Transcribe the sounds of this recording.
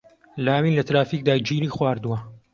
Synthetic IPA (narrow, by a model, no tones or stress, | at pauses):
laːwiːnlɐt̪ɾaːfiːk̚d̪aːd͡ʒiːɾiːxwaːɾd̪uwɐ